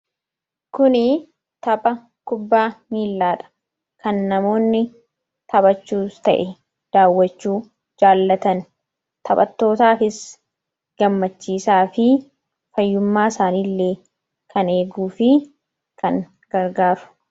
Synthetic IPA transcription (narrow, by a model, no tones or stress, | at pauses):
kʊnɪ | t̪ɐbʼɐ | kʊbːaːmiːlːaːᶑɐ̥ | kɐnːɐmo̞ːnːɪ | t̪ʰɐbɐt͡ʃːuːst̪ɐʔɛ | d̪̥aːwːɐt͡ʃːuː | d͡ʒaːlːɐt̪ɐn | t̪ʰɐbʼɐ̰t̪ːo̞ːt̪aːfɪs | ɡ̥ɐmːɐt͡ʃːiːsaːfɪ | fɐjːʊmːaːɪsaːniːlːeː | kʰɐne̞ːɡuːfɪ | kʰɐŋ | ɡ̥ɐɾɡaːɾʊ̥